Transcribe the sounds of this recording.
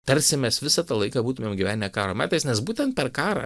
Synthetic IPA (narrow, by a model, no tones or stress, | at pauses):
t̪ɐɾʲsʲɪmʲɛsʋʲɪsɑt̪ɐlˠɐɪkɑːbuːt̪ʊmʲeːmɡʲɪʋʲæːnʲɪnʲɛkɑːɾoːmʲæːt̪ɐɪsnʲɛsbuːt̪ʲɛnt̪̚pʲɛrkɑːɾɐ̰